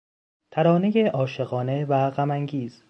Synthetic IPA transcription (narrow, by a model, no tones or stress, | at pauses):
t̪ʰæɾɒːne̞je̞ʔɒːʃe̞ɣɒːne̞væɣæmæŋɡiːz̥